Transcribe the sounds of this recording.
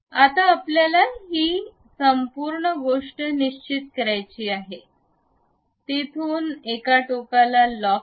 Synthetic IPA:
at̪aːpljalaɦiː | səmpuɾɳəɡoʂʈəniɕt͡ɕit̪kəɾajt͡ɕiːaɦe | t̪et̪ʰuːnekaʈokalalɔ

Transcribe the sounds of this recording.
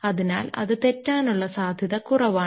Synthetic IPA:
ɐðina̰ːlɐ̰ðɨt̪etːaːnuɭːɐsaːd̪ʱjɐðɐkurɐʋaː

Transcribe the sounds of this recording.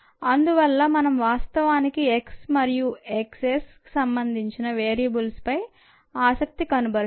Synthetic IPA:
ɐnd̪uʋɐlːɐmɐnɐmʋaːst̪ɐʋaːnikieksmɐɾijueksesku̥sɐmbɐnd̪ʱiɲt͡ʃinɐʋeːɾijɐbulspɐj | aːsɐk̚t̪ikɐnubɐ

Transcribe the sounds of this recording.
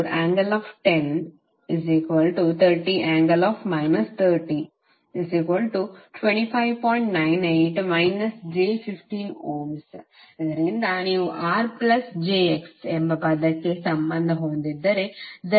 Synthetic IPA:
ɾaːŋɡɐlɔːfʈen | iziːkʋɐlʈut̪ʰɐɾʈiʔãːŋɡɐlɔːfmaɪnɐst̪ʰɐɾʈiː | isiːkʋɐlʈuʈwʋẽɳʈipʰajʋpɔ̃ːjɳʈnaɪneːʈmaɪnɐsd͡ʒeːfifʈiːnoːms | zɐɾend̪aːniuʔaːɾplɐsd͡ʒeːeksembɐd̪ɐkːesɐ̃mbɐnd̪ʱɐɦoːnd̪id̪ːɐɾed̪

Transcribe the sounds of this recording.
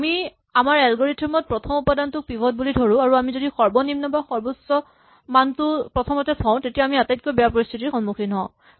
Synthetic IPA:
ami | amaɹɛlɡoɹitʰːɔmɔt̚pɹɔtʰɔmupadantʊk̚pibʱɔt̚bulidʱoɹũaɹuamizodixɔɹbɔnimnɔbaxɔɹbusɔ | mantʊpɹɔtʰɔmɔtɛtʰɔ̃ʊ̃tetijaamiatajt̚kojbɛjapɔɹist̪ʰitixɔnmukʰinɦɔ̰̃

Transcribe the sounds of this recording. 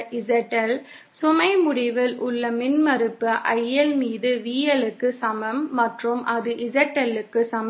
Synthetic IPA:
ɪd͡ʒɐʈːɐl | sʊmɐɪmʊɽɪʋɪlʔʊɭːɐmɪnmɐɾɯpːɯʔɐjːɐlmiːðɯʋiːjɐlɯkːɯsɐmɐmːɐʈrɯmʔɐðɯʔɪzɐʈːɐlɯkːɯsɐm

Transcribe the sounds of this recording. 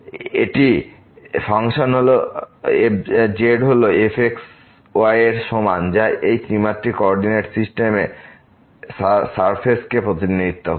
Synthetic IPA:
ḛʈi | fʰaŋʃonɦoloed͡ʑeɖɦoloefʰeks | oajeɾʃomand͡ʑaʔejklimat̪ːɾikɔɔɾɖineʈsisʈeme | saɾpʰeskepɾot̪inːiit̪ːo

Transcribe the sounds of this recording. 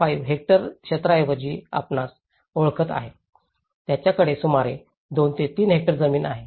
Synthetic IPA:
faiʋɦek̚ʈəɾɕət̪ɾaʋəd͡ʑiːa̰pnas | oɭkʰət̪a̰ɦe | t̪jat͡ɕjakəɽesumaɾe | d̪ont̪et̪iːnɦek̚ʈəɾd͡zəmiːna̰ɦe

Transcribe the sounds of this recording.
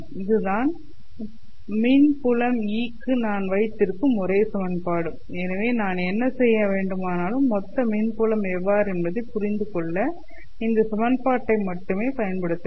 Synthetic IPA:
ɪðɯðaːn | miːnpʊlɐmiːkːɯnaːnʋɐɪt̪ːɪɾɯkːɯmɔɾeːsɐmɐnpaːɽɯm | ɛnɐʋeːnaːnɛnːɐsɛjːɐʋeːɳɖɯmaːnaːlɯmːɔt̪ːɐmiːnpʊlɐmɛʋːaːɾɛnbɐðɐɪpʊɾɪnd̪ɯkɔɭːɐ | ɪnd̪ɐsɐmɐnpaːʈːɐɪmɐʈːɯmeːpɐjɐnpɐɽɯt̪ːɐ

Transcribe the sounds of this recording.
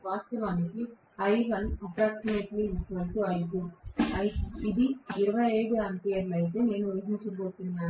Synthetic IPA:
ʋaːst̪ɐʋaːniki | ɐjɦɐnɐpɾaːksimeːʈliikːʋɐnʈuɐjɡuɐjid̪iiɾɐʋɐeːɡ̪uɐnt̪ijɐɾlɐjt̪̬e̞ːne̞ːnuːʋɐɦiɲt͡ʃɐboːt̪unːaː

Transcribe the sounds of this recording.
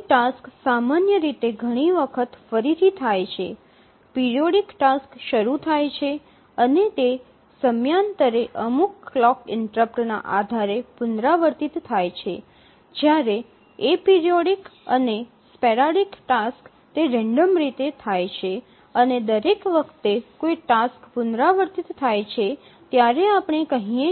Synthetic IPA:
ʈasksamanjəɾit̪eɡʱəɽ̃iʋəkʰət̪fəɾit̪ʰit̪ʰajt͡ʃʰḛ | piɾijoɽikʈaskʃəɾut̪ʰajt͡ʃʰe | ənet̪e | səmjant̪əɾeʔəmukːlɔkɪɳʈɾəpʈna̰ʔa̰d̪ʱaɾepʊnd̪ɾaʋəɾt̪it̪ːʰajt͡ʃʰe | d͡ʒjaɾeː | piɾijoɽikəne | speɾaɽikʈask | t̪eɾɛ̃ɳɖəmɾit̪et̪ʰajt͡ʃʰe | əned̪əɾekʋəkʰt̪ekojʈaskpʊnd̪ɾaʋəɾt̪it̪ːʰajt͡ʃʰe | t̪jaɾeapɳ̃ekəɦĩe

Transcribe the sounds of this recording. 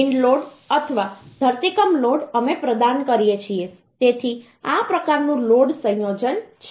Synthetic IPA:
iɳɖloɽət̪ʰəʋad̪ʱəɾt̪ikəmloɽəmepɾəd̪ankəɾijet͡ʃʰie | t̪et̪ʰi | apɾəkaɾnũloɖsə̃ɦjod͡ʒənt͡ʃʰ

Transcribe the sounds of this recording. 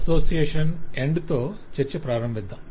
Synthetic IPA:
soːsijeːʂɐneɳɖt̪oːt͡ʃeɾt͡ʃɐpɾaːɾɐmbʋid̪ʱːɐm

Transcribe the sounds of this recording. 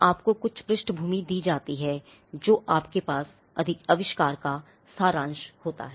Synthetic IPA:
aːpkokʊt͡ʃʰpɾɪʃʈbʱuːmid̪iːd͡ʒaːt̪iɦɛː | d͡ʒoːʔaːpkepaːs | ɐ̰d̪ʱɪkɐʋɪʃkaːɾka | saːɾãːnʃhoːt̪a̰ɦɛː

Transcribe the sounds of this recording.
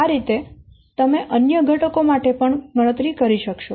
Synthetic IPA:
aɾit̪e | t̪əmeʔənjəɡʱəʈəkomaʈepəɳɡəɽ̃ət̪ɾikəɾiʃəkʃo

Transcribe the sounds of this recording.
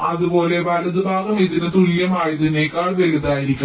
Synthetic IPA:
ɐðubo̞ːle̞pɐlɐðubʱaːɡɐmejt̪ːinɨt̪uɻijɐmaːjɐt̪inːekːaːɭʋeɻuðaːjiɾikʲːum

